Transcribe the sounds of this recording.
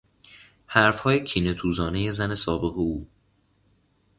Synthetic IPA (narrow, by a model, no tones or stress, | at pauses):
hæɾfhɒːjecʰiːnet̪ʰuːzɒːneje̞zæne̞sɒːbe̞ɣeuː